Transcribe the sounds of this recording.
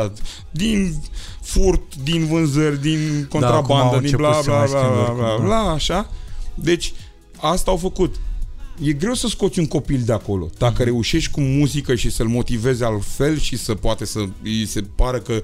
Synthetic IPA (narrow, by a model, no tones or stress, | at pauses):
d̪in | furt̪d̪invɨnzərʲd̪inko̞nɾaband̪əd̪iblaablblablablaːʃad̪e̞t͡ʃʲ | ast̪aːwfəkut̪je̞ɡɾe̞wsəsko̞t̪sʲuŋko̞pild̪eako̞lo̞̰d̪̥akəɾe̞uʃe̞ʃt̪̚ʲkumuzikəʃisəlmo̞t̪ive̞zealfe̞lʃisəpoat̪e̞səise̞paɾəkə